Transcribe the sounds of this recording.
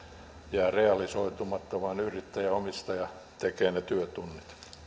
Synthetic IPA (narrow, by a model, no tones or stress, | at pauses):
jæːreɑlisoit̪umɑt̪ːoʋɑnyrit̪ːæjæomist̪ɑjɑ | t̪ekeːnet̪yøt̪unːit̪